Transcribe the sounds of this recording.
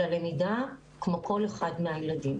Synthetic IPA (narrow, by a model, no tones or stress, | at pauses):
alemida | kmo̞kʰo̞leχadmeajeladim